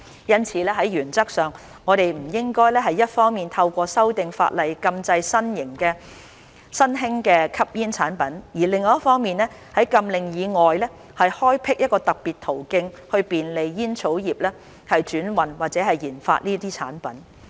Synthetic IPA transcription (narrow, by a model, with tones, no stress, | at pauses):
jɐ˥nt͡sʰiː˨˧˥lɛː˥ɦɐ˨˥jɥyː˨˩nt͡sɐ˥k̚sœː˨ŋ | ŋɔː˨˧ɾe˨jm̩˨˩jɪ˥ŋkɔː˥jlɛː˥ɦɐ˨˩jːɐ˥t̚fɔː˥ŋmiː˨nt̪ʰɐ˧wkʷɔː˧sɐ˥wt̪ɪ˨ŋfa̰ː˧t̚lɐ˨jkɐ˧mt͡sɐ˧jsɐ˥njɪ˨˩ŋkɛː˧ | sɐ˥nɦɪ˥ŋkɛː˧kʰɐ˥p̚jiː˥nt͡sʰaː˨˥npɐ˨˥njiː˨˩lɪ˨˧ŋːɔː˨˦jɐ˥tfɔː˥ŋmiː˨nlɛː˥hɐ˨˥jkɐ˧mlɪ˨ŋjiː˨˧ŋɔː˨jlɛː˥ | hɐ˨jhɔː˥jpʰɪ˥k̚jɐ˥t̚kɔː˧t̪ɐ˨k̚piː˨t̪ʰo˨˩wkɪ˧ŋ | hɵ˧ɥpiː˨nle˨jːiː˥nt͡sʰo˨˥wjiː˨˩p̚lɛː˥ | hɐ˨jt͡ʃyː˨˥nwɐ˨˩nwaː˨k̚t͡sɛː˨˥ɦɐ˨jjiː˨˩nfa̰ː˧t̚niː˥t̪iː˥t͡sʰa̰ː˨˥npɐ˨˥n